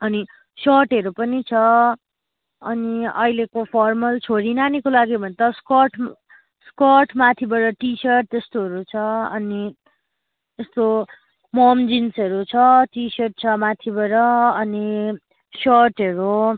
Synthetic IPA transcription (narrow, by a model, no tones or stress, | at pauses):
ʌni | sʌrʈɦʌɾupʌnit͡sʰʌ | ʌniʌ̰ilekopʰʌrmʌlt͡sʰoɾinanikolaɡibʱʌnt̪ʌskʌrʈ | skʌrʈmat̪ʰibʌɾʌʈisʌrʈ̚t̪est̪oɦʌɾut͡sʰʌʌni | est̪o | mʌmd͡zinsʌɾut͡sʰʌʈisʌrʈ̚t͡sʰʌmat̪ʰibʌɾʌʌni | sʌrʈɦʌɾu